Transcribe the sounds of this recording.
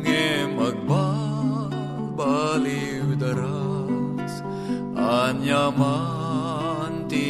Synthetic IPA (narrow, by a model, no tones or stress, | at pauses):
ŋemɐɡ̚baː | baːli | wd̪ɐɾa | s | aːnjama | nt̪i